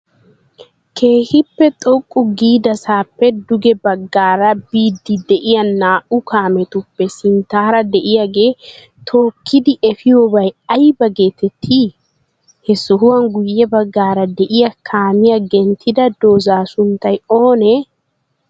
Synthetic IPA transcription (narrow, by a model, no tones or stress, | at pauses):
kʰe̞ːhɪpːɛt̪ʼɔkʼːʊɡiːd̪ɐsaːpːɛd̪ʊɡɛbɐɡːaːɾɐbiːd̪ːɪd̪ɛʔɪjɐnːaːʔʊkʰaːmɛt̪ʊpːɛsɪnt̪aːɾɐd̪ɛʔɪjaɡe̞ː | t̪ʰoːkʰːɪd̪ɪʔɛfɪjobɐjɐjbɐɡe̞ːt̪ɛt̪ʰːiː | hɛsɔɦʊwɐŋɡʊjːɛbɐɡːaːɾɐd̪ɛʔɪjɐkʰaːmɪjɐɡɛnt̪ʰɪd̪ɐd̪o̞ːzaːsʊnt̪ːɐjoːnɛ